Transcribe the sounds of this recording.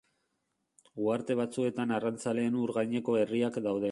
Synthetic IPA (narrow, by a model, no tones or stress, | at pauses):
ɡuaɾt̪e̞β̞at͡sue̞t̪anarant͡sale̞ːnuuɾɣajɲe̞ko̞e̞riakd̪awðe̞